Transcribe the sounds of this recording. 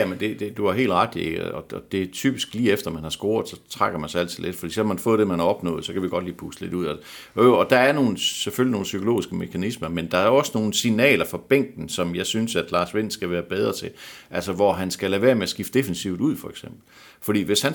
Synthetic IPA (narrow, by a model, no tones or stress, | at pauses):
æmend̥e̝d̥e̝d̥uæɦe̝̰ːld̥ʁɑ̈ɡ̥d̥iḛɡ̥ɒɒd̥e̝t͡sʰy̰ːb̥isɡ̥liːefd̥ɐmænhɑ̈sɡ̥o̝ːɐð̩ˠsɒ̽t͡sʰʁɑɡ̥ɐmænsɑæl̰t͡sʰið̩ˠle̝d̥fɒ̥ḭːselmænfɔ̰̽ðˠd̥e̝mænhɑ̈ɒ̽b̥nɔ̰̽ːð̩ˠsɒ̽kʰæʋiɡ̥ɒ̽d̥liːpʰusəle̝duð̞̰ˠɒøɒ̽d̥ɑ̈æɐno̝ːn̩sefølino̝ːn̩sykʰo̝lo̝̰ːisɡ̥əme̝kʰænismɐmend̥ɑ̈æɐɒ̽səno̝ːn̩sinɛ̰ːlɐfɒ̽b̥eŋ̰ɡ̥n̩sɒ̽mjɑ̈ɪsynsæd̥lɑ̈ːsʋe̝n̰sɡ̥æʋæːɐb̥eð̞ˠʁɐt͡sʰe̝lʔælsəʋɒɦænsɡ̥æleʋe̝ːɐmeæsɡ̥ifd̥e̝fensiʊd̥uð̞̰ˠfɒ̽eɡ̥sem̰b̥l̩ | fɒ̽d̥ḭːʋe̝shæn